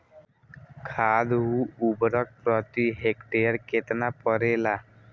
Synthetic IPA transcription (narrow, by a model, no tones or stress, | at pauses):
kʰad̪uubɾɔk̚pɾɔt̪iɦekʈeəɾket̪napɔɾela